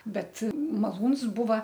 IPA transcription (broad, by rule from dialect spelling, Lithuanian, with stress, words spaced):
ˈbʲɛt mɐˈlˠuːns ˈbuːʋɐ